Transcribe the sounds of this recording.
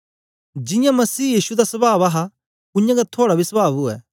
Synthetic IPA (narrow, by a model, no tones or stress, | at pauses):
d͡ʒɪ̃jãmɐsiːjiːsud̪asɐbaːbɐɦa | ʊjãɡat̪ʰoːɽabʱisbaːbʊɛ̰ː